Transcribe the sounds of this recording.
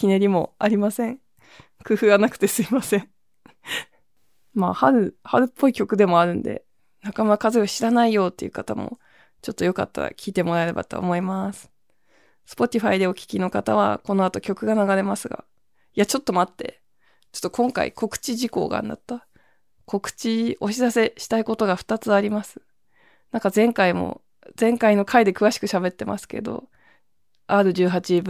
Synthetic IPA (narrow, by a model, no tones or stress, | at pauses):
kʲineɾʲimo̞̰aɾʲimasẽ̞ŋ | kɯ̟ɸɯ̟ɡanakɯ̟̥t̪e̞sɨimasẽ̞ɴ | maːhaɾɯ̟haɾɯ̟pːo̞ikʲo̞kɯ̟d̪e̞mo̞aɾɯ̟̃nd̪e̞̰ | nakamakazɨiaɕiɾanaijo̞ːt̪ːe̞jiɯ̟kat̪amo̰ | t͡ɕo̞t̪ːo̞jo̞ka̰t̪ːa̰ɾa̰kʲʰiːt̪e̞mo̞ɾae̞ɾe̞ba̰t̪o̞̰ːmo̞imasɨ̥ | sɨ̥po̞t̪ʲiɸaid̪e̞o̞kʲi̥kʲino̞kat̪aβ̞a̰ko̞no̞at̪o̞kʲo̞kɯ̟ɡanaɡaɾe̞masɨɡa̰ | iat͡ɕo̞t̪ːo̞mat̪ːe̞̰ | t͡ɕo̥t̪ːokʰõ̞ŋka̰ḭko̞kɯ̟̥t͡ɕiʑiko̞̰ːɡa̰nd̪a̰t̪ːa | kʰo̞kɯ̟̥t͡ɕio̞ɕizase̞ɕi̥t̪aiko̞t̪o̞ɡaɸɯ̥t̪at͡sɨaɾʲimasɨ̥ | nãŋkazẽ̞ŋkaimo̞̰ | z̥ẽ̞ŋkaino̞kʰaid̪e̞kɯ̟βaɕi̥kɯ̟ɕabe̞t̪ːe̞mʔa̰sɨ̥ke̞̰d̪o̞̰ | aːɾoʑɨːɦat͡ɕib